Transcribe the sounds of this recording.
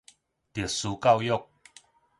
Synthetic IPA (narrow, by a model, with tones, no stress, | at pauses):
t̪i˨˩suː˨˧˦ka˥˧wjo˥˧k̚